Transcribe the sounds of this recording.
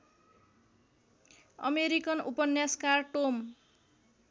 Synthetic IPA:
ʌ̰meɾikʌnupʌnjaskarʈom

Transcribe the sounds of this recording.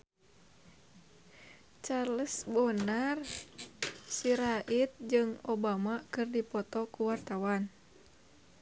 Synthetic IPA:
t͡ʃaləsbonar | siɾaʔit̪̚d͡ʒɨŋobamakɨrdipɔt̪ɔkuwart̪awan

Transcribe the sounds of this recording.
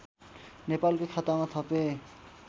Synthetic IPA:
nepalkekʰat̪amat̪ɦɔbe

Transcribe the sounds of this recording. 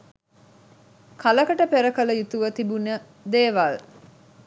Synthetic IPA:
kʰaləkəʈəpeɾəkələjut̪uʋət̪ibunə | d̪eːʋal

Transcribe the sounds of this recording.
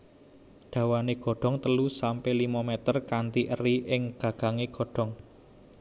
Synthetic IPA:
ɖ̪̥ä̤waneɡ̥ɔ̤ɖ̥ɔ̤ŋt̪əlusampelimɔmɛt̪ərkant̪iʔəriʔɪŋɡ̥ä̤ɡ̥a̤ŋeɡ̥ɔ̤ɖ̥ɔ̤ŋ

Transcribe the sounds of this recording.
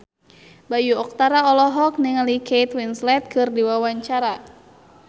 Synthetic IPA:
bajuɔk̚t̪aɾaɔlɔɦɔk̚niŋalikʰejt̪winslɛt̪̚kʰɨrdiwawaɲt͡ʃaɾa

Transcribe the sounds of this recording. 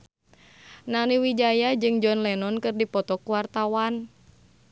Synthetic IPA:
naniwid͡ʒajad͡ʒɨŋd͡ʒɔnlɛnɔnkɨrdipɔt̪ɔkuwart̪awan

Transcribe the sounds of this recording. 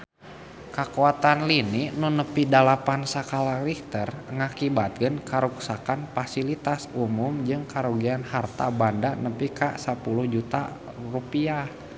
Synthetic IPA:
kakuat̪anliniʔnunəpidalapansakalarik̚t̪ərŋakibat̪̚kənkaɾuksakanfasilit̪asumʊmd͡ʒɨŋkaɾuɡianhart̪a̰bandanəpikasapuluhd͡ʒut̪a̰ | rupiah

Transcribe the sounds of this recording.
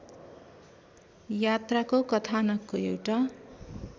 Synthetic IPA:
jat̪rakokʌt̪ʰanʌkːoewʈa

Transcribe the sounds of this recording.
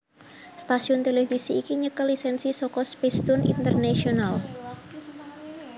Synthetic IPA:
st̪asiʊnt̪elefisiːkiɲəkəlisɛnsisɔkɔspest̪ʊnḭnt̪ərnasional

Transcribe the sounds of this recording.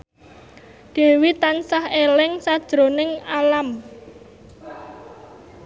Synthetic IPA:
ɖ̥e̤wit̪ansahelɪŋsad̥ʒ̥ɾo̤nɪŋalam

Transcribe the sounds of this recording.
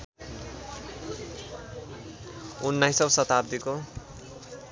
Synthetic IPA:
unːajsʌbsʌt̪ab̚d̪iko

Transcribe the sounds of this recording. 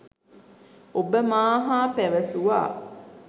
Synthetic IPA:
obəmaːɦaːpɛʋɐsuʋa̰ː

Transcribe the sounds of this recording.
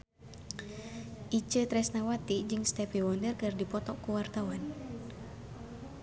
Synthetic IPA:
ʔit͡ʃət̪ɾɛsnawat̪id͡ʒɨŋst̪ɛpiwɔndərkɨrdipɔt̪ɔkuwart̪awan

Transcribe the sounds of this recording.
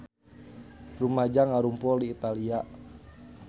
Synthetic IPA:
rumad͡ʒaŋaɾumpɔdiːt̪alia

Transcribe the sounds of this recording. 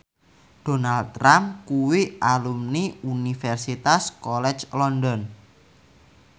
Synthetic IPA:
ɖ̥onald̪̚ɾamkuwiʔalumniunifɛrsit̪askɔlɛt͡ʃlɔndɔn

